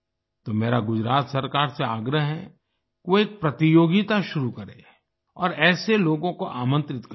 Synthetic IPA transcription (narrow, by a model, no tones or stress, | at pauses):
t̪oːmeːɾaɡʊd͡ʒɾaːt̪sɐɾkaːɾseaːɡɾəɦɦɛ | koeːk̚pɾɐt̪ijoːɡɪt̪aʃʊɾukɐɾḛ | ɔːɾɛːseloːɡõkoʔaːmə̃nt̪ɾɪt̪k